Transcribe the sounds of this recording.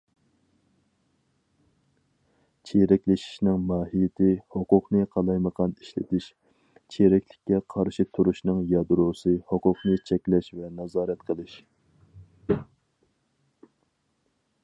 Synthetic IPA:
t͡ʃʰeɾɛkʲlɪʃi̥ʃnɪŋmɑːɦijɪt̪ʰɪhoqʊqnɨqʰɑlˠɑjməʁɑniʃlɪ̰t̪ʰɪʃ | t͡ʃʰeɾɛkʲlɪkʲːɛqʰɑɾʃit̪ʰuɾuʃnɨŋjɑd̪ɾosɨhoqʊqnɨt͡ʃʰɛkʲlɛʃvɛnɑzɑːɾɛt̪qʰəlˠɨʃ

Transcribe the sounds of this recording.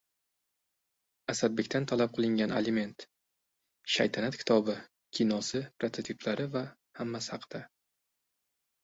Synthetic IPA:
asad̪̚bekʲt̪ʰant̪ʰalap̚qʰɨlˠɪŋɡʲana̰lɪme̞nt̪ | ʃa̰jt̪ʰanat̪kʲʰɪ̥t̪ʰɒbɪ | kʲʰinɒsɪpɾat̪ʰat̪ʰipʰlaɾɪva | hamːashɑqʰɨd̪̥a

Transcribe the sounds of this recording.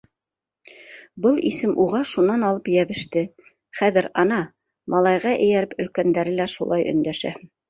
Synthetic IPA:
bɤlˠisɘmʔuʁɑʃunɑnɑlˠɤpjæβɘ̆ʃt̪ɘ | χæðɘɾɑnɑ | mʔɑlˠɑjʁɑʔɘ̆jæɾɘpɵ̆lkænd̪æɾɘlæʃṵlˠɑjʔɵ̰̆nd̪æʃæ̰

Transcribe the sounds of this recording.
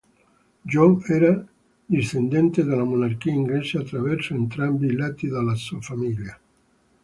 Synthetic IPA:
d͡ʒɔɛɾa | d̪ist̪end̪ɛnt̪ed̪alamunark̟iaiŋɡlɛseat̪ːɾavɛrsoent̪ɾambilat̪ːid̪alasuafamilja

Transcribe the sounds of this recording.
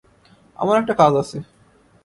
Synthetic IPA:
a̰maɾɛk̚ʈakad͡ʑat͡ɕʰe

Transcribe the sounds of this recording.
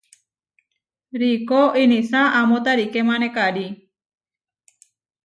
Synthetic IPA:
ɾikoʔinisaamot̪aɾikemanekadi

